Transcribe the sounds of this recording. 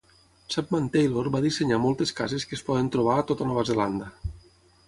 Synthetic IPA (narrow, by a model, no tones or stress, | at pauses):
sap̚mant̪ejloɾbaðiseɲamɔlˠt̪eskazeskespɔðent̪ɾoβ̞aːt̪ot̪anɔβazeland̪a